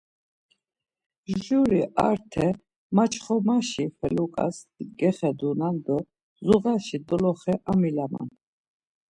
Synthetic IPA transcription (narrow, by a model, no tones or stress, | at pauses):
ʒʒuɾiʔaɾt̪ʰɛ | mat͡ʃχɔmaʃifɛlukʼa̰sɡɛχɛd̪unand̪ɔ | zuɣaʃid̪ɔlɔχɛʔamilama̰n